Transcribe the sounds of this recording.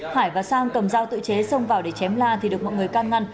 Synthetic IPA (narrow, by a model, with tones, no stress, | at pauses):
haː˧˩jvaː˨˩saː˧ŋkə˨˩mzaː˧wt̪ɨ̰˧˨t͡ɕe˨˦sə˧wŋ͡mvaː˨˩wɗe˧˩t͡ɕɛ˨˦mlaː˧t̪ʰi˨˩ɗɨ˨˩ək̚mɔ̰˧˨jŋɨ˨˩əjkaː˧nŋa˧jŋ̟